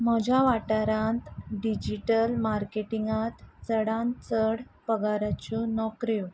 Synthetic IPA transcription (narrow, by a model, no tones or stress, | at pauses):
m̤əd͡ʑʱaʋaʈaɾãnt̪ɖid͡ʑiʈəlmaɾkeʈiŋɡat̪t͡səɽãnt͡səɽpəɡaɾjat͡ɕunɔkɾju